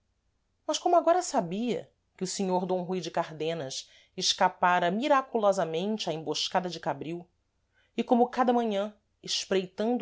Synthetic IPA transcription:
mɐʃkõmʊaɡɔɾɐsabiɐ̰ | kɪʊsɪɲoɾd̪õw̃ɦujd͡ʒɪkaɾd̪ẽnɐs | ɪʃkapaɾɐmiɾakulɔzɐmẽnt͡ʃɪɐẽmboʃkad̪ɐd͡ʒɪkabɾiw | ɪkõmʊkad̪ɐmɐ̃ɲɐ̃ | ɪʃpɾejt̪ɐ̃nd̪

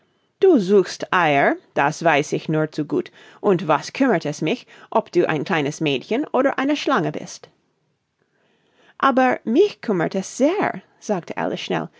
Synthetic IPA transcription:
d̥uːzuːxstʔaɪə˞d̥asv̥aɪsɪçnuːɐt͡suɡṵːt | ʔʊntvaskʰʏmə˞tɛsmɪç | ʔɔpd̥uːʔa̰ɪ̃nkʰl̥aɪnəsmeːtçənʔoːɾə˞ʔaɪnəʃlaŋəbɪ̰st | ʔaːbə˞mɪçkʰʏmə̰˞tɛsz̥eːɹ | z̥aːk̚tʰəʔa̰ləsʃnɛ̰l

